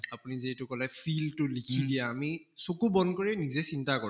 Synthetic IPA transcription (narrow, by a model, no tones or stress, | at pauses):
apunizetʊkɔlɛpʰiltʊlikʰidijaːmi | sokubɔnkoɹɛnizɛsintakɔ